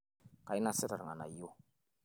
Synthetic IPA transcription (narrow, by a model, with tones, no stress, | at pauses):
ka˨i˦na˦se˦ta˨ɾa˨ŋa˨na̰˨jo˦